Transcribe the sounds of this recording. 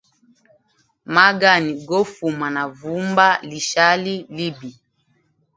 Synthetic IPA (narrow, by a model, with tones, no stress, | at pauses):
ma˦ɡa˦˨ni˨ɡɔ˦fu˨ma˨na˨vu˨˦mba˦li˨ʃa˦li˦li˦bi˨